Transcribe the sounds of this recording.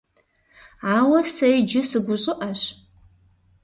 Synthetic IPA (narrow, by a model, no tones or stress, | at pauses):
aːwɐsɐjd͡ʒɪsɨɡʷʊɕʼɪʔɐɕ